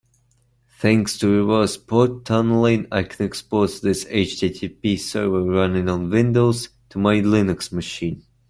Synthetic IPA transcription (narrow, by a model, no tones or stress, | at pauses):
θæ̃ŋkstʰɨɹɪvɜ˞spʰɔɹtʰːʌnlˠĩna̰ɪkʰə̃nɛkspɔɹtðɪseɪt͡ʃdʰitʰipisɜ˞və˞ɹʌnɪ̃ŋə̃nvɪ̃ndoʊz̥ | tʰəmaɪlɪnɨksmɨʃĩn